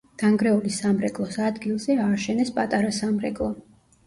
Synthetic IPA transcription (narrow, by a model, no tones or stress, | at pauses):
ɡ̥aŋɡɾɛulisamɾɛkʼlˠɔsad̪ɡilˠzɛaːʃɛnɛspʼat̪ʼaɾasamɾɛkʼlˠɔ